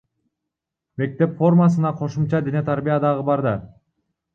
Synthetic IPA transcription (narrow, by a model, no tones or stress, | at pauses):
me̞k̚t̪e̞pfo̞rmasɯnɑqʰo̞ʃumt͡ʃɑd̪ene̞t̪ʰaɾbijad̪ɑʁɯbɑɾd̪ɑ